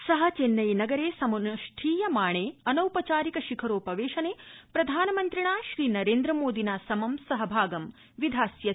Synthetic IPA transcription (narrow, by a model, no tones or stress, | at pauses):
sɐɦɐt͡ʃenːɐjnɐɡɐɾeːsɐmɐnɐʃʈʰiːjɐmaːɳeːɐnɐwpɐt͡ʃaːɾikɐʃikʰɐɾoːpɐʋeːʃɐneːpɾɐd̪ʱaːnɐmɐnt̪ɾiɳaːʃɾiːnɐɾeːnd̪ɾɐmoːd̪ʱinaːsɐmɐmsɐɦɐbʱaːɡɐm | ʋid̪ʱaːsjɐ